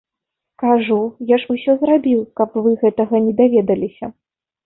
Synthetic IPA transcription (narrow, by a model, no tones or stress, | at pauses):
kaʐujaʂusʲɔzrabʲiwkɐpvɨɣɛt̪ɐɣɐnʲɛd̪avʲɛd̪ɐlʲisʲɐ